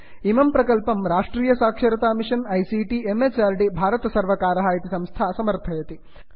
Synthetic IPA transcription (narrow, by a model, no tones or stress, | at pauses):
imɐmpɾɐkɐlpɐmɾaːʂʈɾiːjɐsaːkʂɐɾɐt̪aːmiʂɐnɐjsiːʈiemeːt͡ʃaːɾʈibʱaːɾɐt̪ɐsɐɾʋɐkaːɾɐɦaːjɐt̪isɐ̃mst̪ʰaːsɐmɐɾt̪ʰɐjɐt̪i